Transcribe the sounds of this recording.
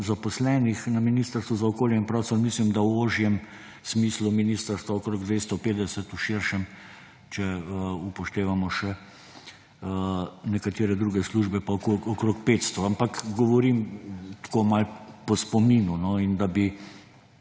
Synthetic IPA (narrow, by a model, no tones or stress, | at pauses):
zapɔslɛːnixnaminiːst̪əɾst̪ʋuzaɔkoːljɛinpɾɔsɔnmislimd̪awoʒjɛm | smiːsluminiːst̪əɾst̪ʋaɔkɾoːɡd̪ʋeːst̪ɔpeːd̪ɛsɛt̪uʃiɾʃɛm | t͡ʃɛupɔʃt̪eːʋamɔʃɛ | nɛkat̪iːɾɛd̪ɾuːɡɛsluʒbɛpakoɔkɾokpeːt̪st̪ɔampakɡɔʋɔɾimt̪komalpɔspɔmiːnunɔind̪abi